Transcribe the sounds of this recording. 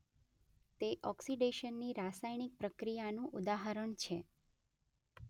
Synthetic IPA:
t̪eʔɔksiɖeʃənːiɾasajnik̚pɾəkɾijanũʔud̪aɦəɾəɳt͡ʃʰe

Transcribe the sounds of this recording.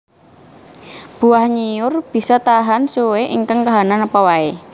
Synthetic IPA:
b̥uahɲijʊrb̥i̤sɔt̪aɦansuweʔḭŋkaŋkaɦananəpɔwae

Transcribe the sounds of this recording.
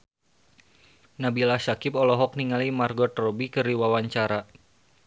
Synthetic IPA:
nabilahsakɪpɔlɔɦɔk̚niŋalimarɡɔt̪rɔbikɨriwawaɲt͡ʃaɾa

